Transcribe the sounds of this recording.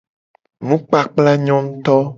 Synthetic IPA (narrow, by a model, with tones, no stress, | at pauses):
nũ˦k͡pa˨k͡pla˦ɲɔ̃˦ŋ̩̃˦t̪ɔ˦